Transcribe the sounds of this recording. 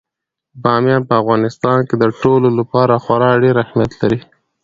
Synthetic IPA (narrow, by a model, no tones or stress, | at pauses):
bɑmjɑnpəafɣɑnɪst̪ɑnked̪əʈololapɑɾaxwaɾɑɖeɾahmjat̪laɾi